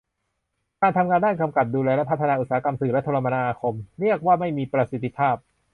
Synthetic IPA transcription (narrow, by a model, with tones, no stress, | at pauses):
kaː˧nt̪ʰa˧mŋaː˧ndaː˥˩nka˧mka˨˩p̚duː˧lɛː˧lɛ˦˥pʰa˦˥t̪ʰːa˧naː˧ʔu˨˩saː˩˨˦ka˧msɯː˨˩lɛ˦˥t̪ʰoː˧la˧ma˧naː˧kʰo˧mɾi˥˩ək̚waː˥˩ma˥˩jmiː˧pɾa˧si˨˩t̪ʰːi˦˥pʰaː˥˩p̚